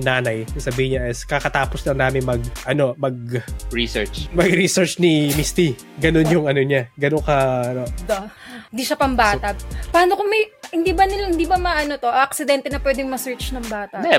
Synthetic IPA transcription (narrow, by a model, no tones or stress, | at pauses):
naːnɐjsɐbiːhɪɲɐʔɛskɐkɐt̪aːposlɐŋnaːmɪŋmɐɡ̚ʔɐno̞mɐɡ̚ɹisɛɹt͡ʃmɐɡɾisɛɹt͡ʃnimist̪i | ɡɐno̞njʊŋɐnoɲaɡɐnokɐɐno | hɪnd̪iːʃɐpɐmbaːt̪ɐpɐaːnokomɐjhɪnd̪iːbɐnɪlahɪnd̪ibɐmɐʔɐnot̪o̞ʔɐʔɐk̚sɪd̪ɛnt̪ɛnɐpwɛd̪ɛŋmɐsɛɹt͡ʃnɐŋbaːt̪ɐʔd̪ɛ